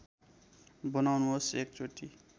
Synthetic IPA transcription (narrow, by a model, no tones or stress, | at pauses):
bʌnawnuɦosek̚t͡soʈi